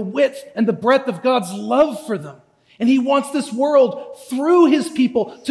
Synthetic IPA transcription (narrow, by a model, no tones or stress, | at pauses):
əwɪɾɨ̃nðəbɹɛθʌvɡɑdzlʌv̥fə˞ðə̃m | ɨ̃niwɑ̃ntsðɪswɜ˞lˠd̚θɹuɪz̥pʰipl̩ˠtʰ